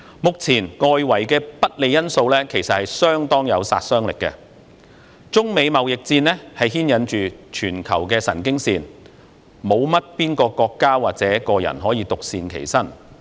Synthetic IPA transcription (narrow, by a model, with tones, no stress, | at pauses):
mʊ˨k̚t͡sʰiː˨˩nŋɔː˨˧jwɐ˨˩jkɛː˧pɐ˥t̚le˨˧jɐ˥nso˧wlɛː˥kʰe˨˩jsɐ˨t̚hɐ˨jsœː˥ŋt̪ɔː˥ŋjɐ˨˧wsa̰ː˧t̚sœː˥ŋlɪ˨kːɛ̰˧ | t͡sʊ˥ŋme˨˧jmɐ˨wjɪ˨k̚t͡siː˧nlɛː˥hɐ˨jɦiː˥njɐ˨˥nt͡ʃyː˨t͡ʃʰyː˨˩nkʰɐ̰˨˩wkɛː˧sɐ̰˨˩nkɪ˥ŋsiː˧n | mo˨˧wmɐ˥t̚piː˥nkɔː˧kɔː˧kːaː˥waː˨k̚t͡sɛː˨˦˥kɔː˧jɐ̰˨˩nɦɔː˨˥jiː˨˧t̪ʊ˨k̚siː˧nkʰḛ˨˩jsɐ˥n